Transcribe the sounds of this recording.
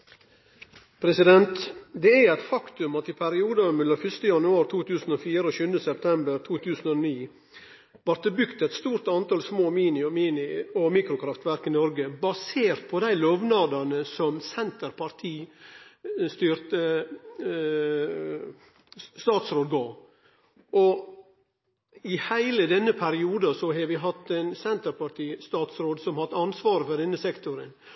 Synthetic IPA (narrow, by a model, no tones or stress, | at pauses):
pʰɾɛsɪd̪ɛnt̪d̪ɛææɪt̪fɑkt̪ʉmɑt̪ɪpʰæɾɪuːd̪ɑmɛlːɑfʏst̪əjɑnʉɑːɾt̪ʰuːt̪ʉːsən̩ofiːɾəoːʃʉnəsɛpt̪ʰɛmbəɾt̪ʰuːt̪ʰʉːsn̩ɔniː | ʋɑɾt̪əbʏkt̪ɛt̪st̪uːɾt̪ɑnt̪ɑːlsmoːmiːnɪɔmiːnɪɔmiːkɾʊkʰɾɑft̪ʋæɾkɪnɔɾɡəbɑseːɾt̪̚pʰɔd̪æɪløːʋnɑd̪ɑnəsɔmsɛnt̪əɾpʰɑɾt̪ʰiː | st̪yːɾt̪ə | st̪ɑːt̪sɾoːd̪̚ɡɑː | ʔɔ | ɪhæɪləd̪ɛnːəpʰæɾɪuːd̪ɑsɔɦɑʋɪɦɑt̪ːɛɪnsɛnt̪əɾpɑʈ̪ʰiːst̪ɑːt̪sɾoːd̪sɔmhɑt̪ːɑnsʋɑːɾəfɔɖɛnːəsɛkt̪ʊɾən